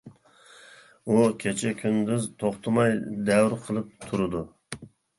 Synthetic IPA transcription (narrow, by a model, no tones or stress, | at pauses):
ukʲʰet͡ʃʰɛkʲʰynd̪yzt̪ʰoχt̪ʰɨmɑjd̪ɛwɾqʰəlˠɨp̚t̪ʰuɾɨd̪u